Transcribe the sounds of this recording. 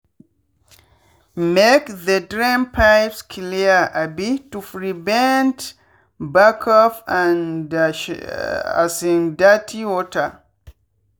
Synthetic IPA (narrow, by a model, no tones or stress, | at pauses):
mekðədɹĩmpʰaɪpskʰliəʔabitufɹivɛ̃nt | bakʰɔfan | a̰sĩndatʰiwɔtʰə